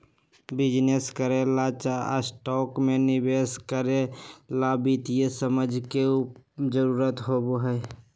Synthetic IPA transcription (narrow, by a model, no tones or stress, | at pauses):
bɪd͡ʒneskəɾelat͡ʃaə̰sʈɔːkmenɪbeskəɾelabit̪ijesəməd͡ʒʱkeud͡ʒəɾuːɾət̪ɦoboɦɛː